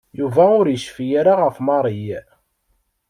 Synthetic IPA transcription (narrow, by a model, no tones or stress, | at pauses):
juvæʊɾjəʃfijaɾaʁəfmɑɾˤij